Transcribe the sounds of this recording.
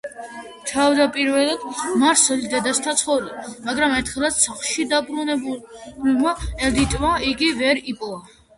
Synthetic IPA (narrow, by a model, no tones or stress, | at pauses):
t̪ʰavd̪apʼiɾvɛlˠad̪̥maɾsɛlid̪ɛd̪ast̪ʰat̪sʰχɔvlimaɡɾamɛɾt̪ʰχɛlat̪saχlʃid̪abɾunɛbubimaɛld̪it̪ʼvaiɡivɛɾipʼɔa